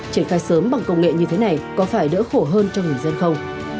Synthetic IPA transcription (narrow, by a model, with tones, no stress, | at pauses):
t͡ɕi˧˩ənxaː˧jsəː˨˦mɓa˨˩ŋkə˧wŋ͡mŋɛ̰˧˨ɲɨ˧t̪ʰe˨˦na˨˩jkɔ˨˦faː˧˩jɗə̰˧˥xo˧˩ɦəː˧nt͡ɕɔ˧wŋ͡mŋɨ˨˩əjzə˧nxə˧wŋ͡m